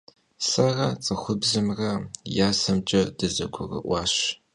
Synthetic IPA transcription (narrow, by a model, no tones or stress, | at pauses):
sɐrɐt͡sʼɨxʷʊbzɨmrɐjaːsɐmt͡ʃʼɐdɨzɐ̰ɡʷʊrɐ̰ʔʷɑːɕ